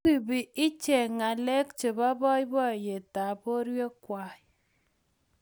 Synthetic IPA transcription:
i˨bi˨i˦t͡ʃe˨ŋa˨lɛ˦k̚t͡ʃe˨ba˦bɔ˦i˦bɔ˦˨je˨ta˨bo˦ɾwe˦kwa˨˦

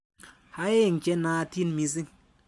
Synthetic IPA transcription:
ha˦je˦˨ŋ̩˨kʲe˦naː˧˦˧ti˦n˦mi˧z̬i˦ŋ

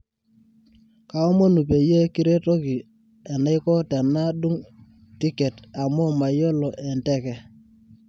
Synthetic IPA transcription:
ka˨ɔ˦mo˦nu˨pe˨je˦ki˦ɾe˦to˦ki˨ | e˨na˦ɪ˦kɔ˦te˨nːa˦du˦ŋ | ti˦ke˨ta˨mo˦ma˨jo˦lo˨ʔɛ˨ntɛ˦kɛ˨

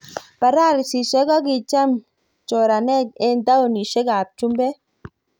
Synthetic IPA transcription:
pa˨ɾa˦˨ɾi˨si˨ʃɛ˦ɡɔ˦ɡi˨t͡ʃa˦m | t͡ʃɔ˨ɾa˨nɛ˦˨k̚e˦n˦da˦o˨ni˨ʃe˦ɡa˨p̚t͡ʃu˦mbɛ˦

